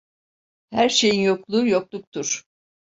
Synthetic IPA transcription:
hæɾʃe̞jinjo̞klˠujoklˠuk̚t̪ʰuɾ̥

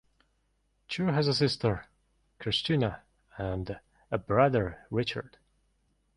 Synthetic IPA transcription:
t͡ʃʰʉɹɦəzəs̬ɪstə˞ | kʰɹ̥ɪst͡ʃinə | ə̃nd | əbɹʌðə˞ɹɪt͡ʃə̰˞d̥

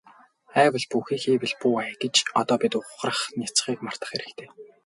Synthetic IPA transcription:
æːwə̆ɮpuxiːxiːwɘ̆ɮpuːajɡet͡ɕɔt̪ɔːpʲit̪ʊχrə̆χnʲat͡sχiːkmar̥t̪ə̆χeɾɘ̆kt̪ʰeː

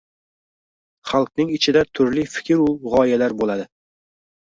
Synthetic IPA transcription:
χalˠq̚nɪŋɪt͡ʃʰɪd̪at̪ʰʊɾlɪfɪ̥kʲʰɪɾʊʁɒjalaɾbolad̪ɪ

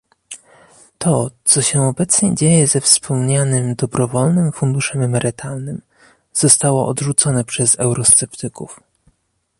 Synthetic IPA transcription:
t̪ʰɔt̪sɔɕɛɔbɛt̪sɲɛ̰d͡ʑejɛzɛfspʰɔmɲanɘmd̪ɔbɾɔvɔlnɘmfund̪uʂɛmɛmɛɾɘt̪ʰalnɘm | z̥ɔst̪awɔʔɔd̪ʐut̪sɔnɛpʂɛzɛwɾɔst̪sɛpt̪ɘkuf

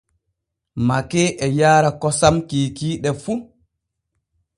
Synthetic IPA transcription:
makɛːʔɛjaːɾakɔsamkiːkiːɗɛfu

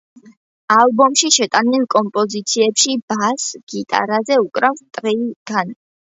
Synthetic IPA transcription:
alˠbɔmʃiʃɛt̪ʼanilˠkʼɔmpʼɔzit̪sʰiɛpʃib̥asɡ̥it̪ʼa̰ɾazɛukʼɾavst̪ʼɾiɡ̥an

